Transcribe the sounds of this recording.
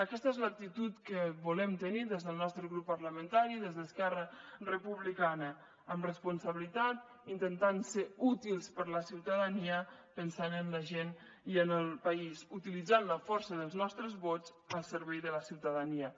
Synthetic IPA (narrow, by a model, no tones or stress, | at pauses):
əkɛst̪əezlək̚t̪it̪ut̪kəβulɛmt̪əniðezðəlˠnɔst̪ɾəɣɾupːəɾləmə̃nt̪aɾiðezðəskɛrərəpuβlikanə | əmrəspunsəβilit̪at̪ | int̪ənt̪anseut̪ilˠspəɾləsiwt̪əðəniəpənsanənləʒen | iənəlˠpəizut̪ilid͡zanləfɔɾsəðəlˠznɔst̪ɾəzβot͡s | əlˠsəɾβɛjðələsiwt̪əðəniə